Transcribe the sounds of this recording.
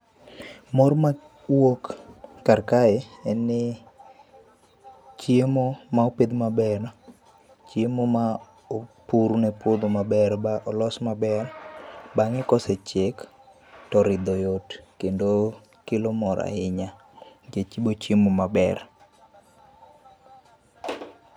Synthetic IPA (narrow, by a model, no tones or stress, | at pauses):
mɔrma | wokːarkaɛɛnɪ | t͡ʃjemomaoped̪mabɛɾ | t͡ʃjemoma | opuɾnɛpod̪omabɛɾbaʔɔlɔsmabɛrbaŋɛkɔsɛt͡ʃek | tɔɾɪd̪ɔjotkendo | kɪlomɔɾa̰ɪɲa | d͡ʒet͡ʃibot͡ʃjemomabɛ̰r